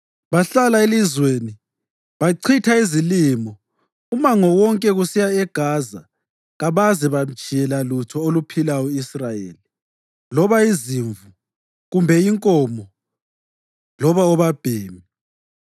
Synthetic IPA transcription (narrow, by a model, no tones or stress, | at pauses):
βaɬalaelizweːni | βaǀʰitʰaizilimɔ | umaŋɔwɔŋkʼɛɣusijaɛɡ̥ʱaːza | ɣaβazɛβam̩t͡ʃʼijɛlalutʰɔolupʰilauisrajḛːli | lɔβaiziɱvu | ɣumbʱɛiŋkʼɔmɔ | lɔβaɔβab̥ʱeːmi